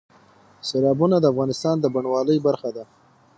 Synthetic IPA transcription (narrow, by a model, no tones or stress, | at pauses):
selɑbunad̪əafɣɑnɪst̪ɑnd̪əbaɳwɑləjbaɾxad̪a